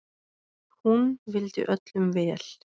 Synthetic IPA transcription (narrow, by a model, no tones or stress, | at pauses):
hunvɪlt̪ɪ̰ʔœt̪lʏmvɛːl̥